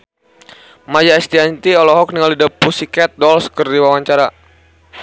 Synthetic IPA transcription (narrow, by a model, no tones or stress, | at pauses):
mad͡ʒaɛst̪iant̪iɔlɔɦɔk̚niŋalidapusikɛt̪̚dɔlskərdiwawaɲt͡ʃaɾa